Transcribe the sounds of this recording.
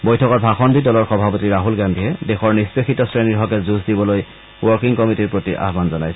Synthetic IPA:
bojtʰɔkɔtbʱaxɔndidɔlɔɹxɔbʱapɔtiɹaɦulɡandʱiɦɛdexɔɹnispexitɔsɹeniɹɦɔkɛzuzdibɔloj | wɔɹkiŋkɔmitiɹpɹotiʔa̰ɦbanzɔnajsɛ

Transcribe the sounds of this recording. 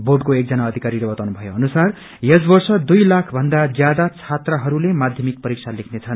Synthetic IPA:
boɖkoek̚d͡zʌnaʌd̪ʱikaɾilʌbʌt̪awnubʱʌjoʌnusar | jʌsbʌrsʌd̪ujlakʰbʱʌnd̪ad͡zjad̪at͡sʰat̪raɦʌɾulemad̪ʱjʌmik̚pʌɾik̚sʰalekʰnet͡sʰʌn

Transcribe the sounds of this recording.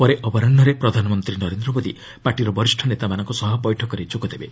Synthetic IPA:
pɔɾeʔɔbɔɾanːɔɾepɾɔd̪ʱanɔmɔnt̪ɾinɔɾend̪ɾɔmod̪i | paʈiɾɔbɔɾisʈʰɔnet̪amanɔ̃ŋkusɔɦɔbɔjʈʰɔkɔɾet͡ʃukɔd̪ebe

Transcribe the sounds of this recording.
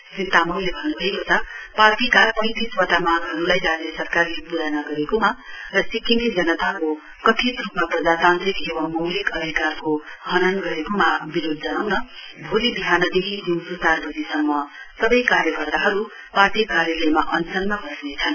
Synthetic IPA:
sint̪amʌwlebʱʌnːubʱʌekot͡sʰʌparʈikapʌ̃j̃t̪iswʌt̪amanɦʌɾulajd͡zanesʌrkarlepuɾanʌɡʌɾekomarʌsikinid͡zʌnʌt̪ako | kʌʈ̪ʰit̪rupmaprʌd͡zat̪ant̪ɾikewʌmːʌwlikʌd̪ʱikarkoɦʌnʌnɡʌɾekomabiɾod̪̚ʱd͡zʌnawnʌ | bʱulibiɦanʌd̪ekʰid͡zinsusarbʌd̪isʌmːʌsʌbʌjkaɾjʌkʌrt̪aɦʌɾu | parʈikaɾjʌlʌjmaʔʌnsʌnmabʱʌsnet͡sʰʌn

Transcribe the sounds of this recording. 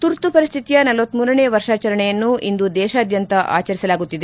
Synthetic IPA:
t̪uɾt̪upɐɾist̪ʰit̪ijɐnɐlʋɐt̪ːmuːɾɐɳeːʋɐɾʂaːt͡ʃɐɾɐɳɛjɐnːuind̪ud̪ɛːʃaːd̪jɐnt̪ɐʔa̰ːt͡ʃɐɾisɐlaːɡut̪ːid̪e

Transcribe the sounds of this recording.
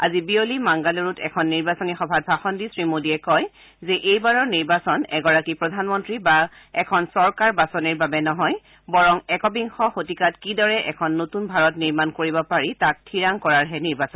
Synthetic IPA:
a̰zibiolimaŋɡaloɹutɛ̰kʰɔnːiɹbasɔnixɔbʱat̚bʱaxɔndisɹimodiɛkɔj | zɛʔejbaɹɔɹniɹbasɔnɛɡɔɹakipɹɔdʱanmɔntɹiba | ɛkʰɔnsɔɹkaɹbasɔniɹbabɛnɔɦɔj | bɔɹɔŋɛkɔbiŋxɔxotikatkidɔɹɛʔɛkʰɔnːotunbʱaɹɔtniɹmankoɹibɔpaɹitak̚tʰiɹaŋkɔɹaɹɦɛniɹbasɔn

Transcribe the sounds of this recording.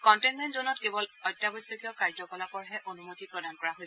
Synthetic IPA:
kɔntenmɛntzonɔtkebɔlɔjtːjabɔsɔkiɔkaɹd͡ʒɔkɔlapɔɹɦɛʔonumotipɹɔdankɔɹaɦojsɛ

